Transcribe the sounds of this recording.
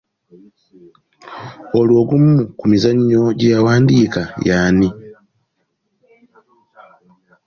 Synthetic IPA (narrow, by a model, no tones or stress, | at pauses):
olwo̞ːɡumːukumizaɲːo̞ɟejawaːndiːkajaːni